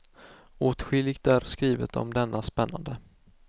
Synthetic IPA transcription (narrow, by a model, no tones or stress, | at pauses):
oːt̪ɧɪlːɪɡt̪æɾskɾiːvət̪ɔ̰md̪ɛnːaspɛnːa̰nd̪ə